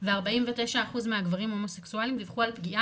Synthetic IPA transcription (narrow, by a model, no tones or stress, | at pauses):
veaʁbaimve̞te̞jʃaːχuzmeaɡvaʁimho̞mo̞seksualimd̪ivχualpɡiʔa